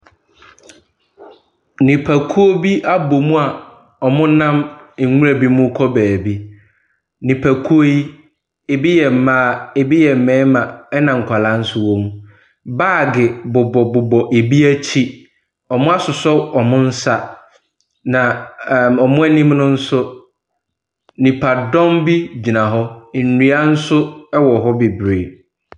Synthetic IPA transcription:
nĩ˨pʰæ˨kʰu˦o˦bi˦ʔa˦bo˨mũ˦a˨ | ɔ˨mʊ̃˦nã˦m̩˨˦ŋu˦ɾa˨bi˦mʊ̃˦kʰɔ˦bæː˨bi˦ | nĩ˨pʰæ˨kʰu˦o˦ji˦ | e˨bi˦jɛ˨m̩˨mãː˨˦˨e˨bi˦jɛ˨m̩˨mɛ̃ː˨˦mã˨ɛ˦nã˨ŋ̩˨kʷʰa˨la˨˦n̩˦sʊ˨wo˦mũ˨ | baː˦˨ɡɪ˨bʊ˨bɔ˨bʊ˨bɔ˨ʔe˨bi˦æ˦t͡ɕʰi˦ | ɔ˨mʊ̃˦a˦sʊ˨sɔ˦ɔ˨mʊ̃˦n̩˦sa˦ | nã˨ɔ˨mʊ̃˦ɛ˦nĩ˦mnʊ̃˦n̩˦sʊ˦ | nĩ˨pʰa˨dɔ̃˦mbi˦d͡ʑi˨nã˨ɦɔ˦n̩˨nũ˨˦a˦n̩˦sʊ˦ɛ˦wɔ˨ɦɔ˦bi˨bɾeː˨

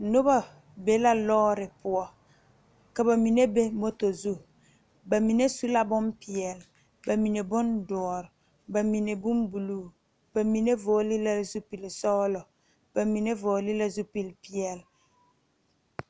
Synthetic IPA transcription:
no˦ba˨ | be˨˦la˦lɔː˦ɾɪ˨pʊ˨ɔ˨ | ka˨ba˨mi˨ne˦be˦mo˦to˨zu˦ | ba˨mi˨ne˦su˦la˦bʊ˦mpi˨ɛ˨l | ba˨mi˨ne˨bʊ˦ndɔ˨ɔ˨ɾ | ba˨mi˨ne˨bu˦mbu˨luː˦ | b̥a˨mi˨ne˦vo˨˦li˦la˦zu˦pi˨lsɔ˦lɔ˨ | b̥a˨mi˨ne˦vo˨li˦la˦zu˦pi˨lpi˦ɛ˨l

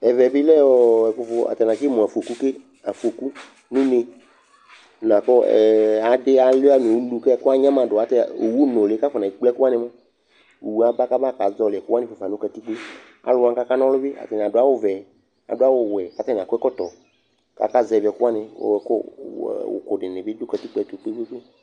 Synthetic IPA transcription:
ɛ˨vɛ˨bɪ˦lɛ˦ɔ˨ɛ˨kʊ˨fʊ˧a̰˨tɛ˨nã˨kɪ˦mõ˨a˨fu˨o˨ku˦ke˦ | a˨fu˨o˨ku˦ | nũ˦nɪ̃˧˨ | nã˨kɔ˦ɛ̰˨a˨dɪ˦a˨la˦˨mĩ˨u˦lu˨kɛ˦kʊ˦a˦ɲã˦mã˨dʊ˨a˨tɛ˦˨o˨wu˦nɔ̃˨lka˦fɔ˨nã˨i˨k͡plɛ˦kʊ˦a˦nɪ̃˧mã˦˨ | wu˨a˨ba˦ka˦ba˦˨ka˨˦zɔ˨lɪ˨ɛ˨kʊ˦a˦nɪ̃˦˨o˨fa˨nõ˦ka˨t̪i˦k͡pe˦ | a̰˨lʊ˦ã˦ka˦ka˦nɔ̃˦lʊ˦bɪ˦a̰˨t̪a˨n˨a˨dʊ˨˦a˦wo˦vɛ˨ | a̰˨dʊ˦a˦wo˦˨wɛ˨ka˨ta˦n˨ã˨kkɔ˦t̪ɔ˨ | ka̰˦ka˦zɛ˨vɛ˨kʊ˦a˦nɪ̰̃˨ɛ˨kɔ̰˦wo̰˨kʊ˨dɪ˨nɪ̃˨bɪ˦do˦ka˨ti˦k͡pɛ˦˨t̪o˨k͡pe˦ɡ͡be˦k͡pe˦

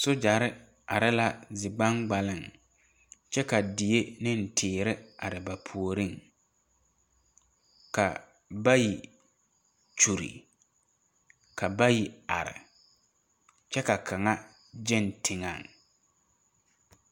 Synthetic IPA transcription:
sʊ˦d͡ʒa˨ɾɪ˦ | a˨ɾɪ˦la˦zɪ˨ɡ͡ba˦ŋɡ͡ba˨lɪ˦˨ŋ | t͡ʃɛ˦ka˨dɪ˨e˦nɪ˦n˨tʰɪː˨ɾɪ˦a˨ɾɪ˨ba˨pʰu˨o˨ɾi˦˨ŋ | ka̰˨ | ba˦ji˨ | t͡ʃu˨ɾḭ˨ | ka˨ba˦ji˨a̰˨ɾɪ̰˨ | t͡ʃɛ˦ka˨kʰa˨ŋa˦ | d͡ʒɪ˦˨ntʰɪ˨ŋa̰˨ŋ

